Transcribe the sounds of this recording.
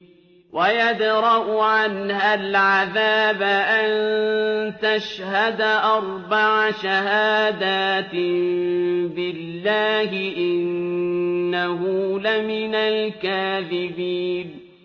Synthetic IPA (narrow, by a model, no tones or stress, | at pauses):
wʔajad̪ɾɑʔʊʕanhalʕaðaːbaʔann | t̪aʃhad̪aʔɑɾˤbaʕaʃaɦaːd̪aːt̪mbɪlːaːɦɪʔɪnː | aɦʊlamɪnalkaːðɪbiːn